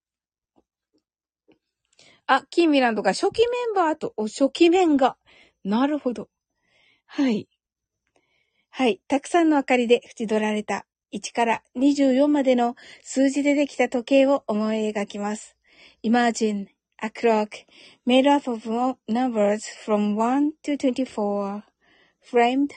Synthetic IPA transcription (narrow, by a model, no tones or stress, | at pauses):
akʲĩmːʲiɾãnd̪o̞ɡaɕo̞kʲimẽ̞mbaːt̪oʔoɕo̞kʲimẽ̞ŋɡa | naɾɯ̟ho̞d̪o̞ | hai | hait̪akɯ̟̥sãnːo̞akaɾʲid̪e̞ɸɯ̟̥t͡ɕid̪o̞ɾaɾe̞t̪a | it͡ɕi̥kaɾaɲ̟iʑɨːjõ̞mːad̪e̞no̞sɨːʑid̪e̞t̪e̞kʲi̥t̪at̪o̞ke̞ːo̞ʔomo̞eɡakʲimasɨ̥ | imaʑĩn | akɯ̟ɾokɯ̥ | me̞ɾɯapovnãmbəzfɾõmwãnt̪ɨt̪went̪ʲifo | ɸɾẽmd̪